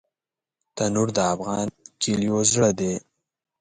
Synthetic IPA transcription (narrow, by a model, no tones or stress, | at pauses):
t̪anuɾd̪əafɣɑnkiljozɽəd̪e